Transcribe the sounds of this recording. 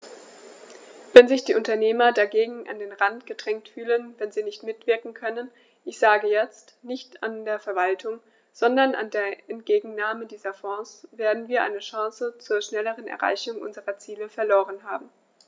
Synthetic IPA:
v̥ɛnzɪçd̥iːʔʊntɐneːmɐdaɡeːɡŋ̩ʔa̰ndeːnʁantɡ̥ədʁɛŋktfyːlənvɛnziːnɪçtmɪtv̥ɪɐkŋ̩kʰœnən | ʔɪçz̥aːɡəjɛt͡stnɪçtandeːɐfɛɐvaltʰʊŋ | z̥ɔndɐnʔa̰ndeːɐɛntɡ̥eːɡŋ̩naːmədiːzɐfɔ̃ːsv̥eːɐdn̩viːɐʔa̰ɪnəʃɑ̃ːsət͡suːɐʃnɛləʁənɛ̰ɐʁa̰ɪçʊŋʔʊ̰nzəʁɐt͡siːləfɛɐloːʁənɦaːbm̩

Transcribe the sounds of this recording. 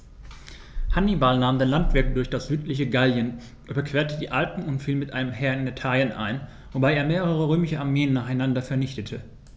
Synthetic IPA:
hanibalnaːmdeːnlantv̥ɪɐk̚d̥ʊɐçd̥asz̥yːtlɪçəɡaljən | ʔyːbɐkv̥eːɐtədiːʔalpn̩ʊntfiːlmɪtʔa̰ɪnəmɦɛɐɪnetʰaːljənʔa̰ɪn | vobaɪeːɐmeːʁəʁ̞əʁøːmɪʃəaɐmeːənːaːχaɪnandɐfɛɐnɪçtətʰə

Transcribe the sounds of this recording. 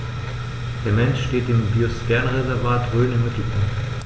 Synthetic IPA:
d̥eːɐmɛnʃʃteːtɪmbiostɛɐnʁɛzɛɐvaːtʁøːlənɪmmɪtl̩pʰaŋt

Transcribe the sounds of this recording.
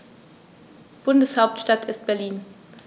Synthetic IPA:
b̥ʊndəshaʊp̚tʃtatʰɪst̚b̥ɛɐliːn

